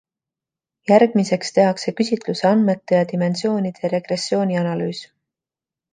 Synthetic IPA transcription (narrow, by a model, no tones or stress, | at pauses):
jærɡ̥mise̞kst̪e̞ɦɑkse̞kysʲit̪luseɑnme̞t̪ːe̞jɑt̪ime̞nsio̞ːnid̪̥eɾe̞ɡ̥re̞sːjo̞ːniɑnɑlyːs